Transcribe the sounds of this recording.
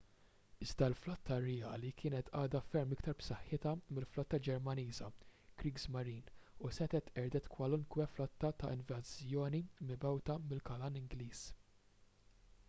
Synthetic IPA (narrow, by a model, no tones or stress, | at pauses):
ɪzd̪ɐlflɔt̪ʰːɐrɛjɐːlikʰɪːnɛt̪ɐːd̪ɐfɛɾmɪkt̪ɐɾpsɐħːɪt̪ɐmɪlflɔt̪ːɐd͡ʒɛɾmɐniːzɐkɾiːɡzmɐɾiːnusɛt̪ɛt̪ɛɾd̪ɛt̪kwɐlʊŋkwɛflɔt̪ːɐt̪ɐʔɪnvɐzjɔːnimɪbɛwt̪ɐmɪlkɐlɐnɪŋɡliːs